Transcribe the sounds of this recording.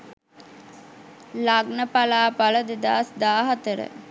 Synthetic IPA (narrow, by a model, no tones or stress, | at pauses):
laɡnəpalaːpaləd̪əd̪asd̪aːɦat̪əɾə̰